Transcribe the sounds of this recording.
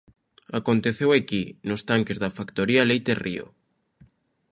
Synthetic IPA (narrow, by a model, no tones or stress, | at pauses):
akont̪eθewakinost̪aŋkezðafakt̪oɾialejt̪erio̰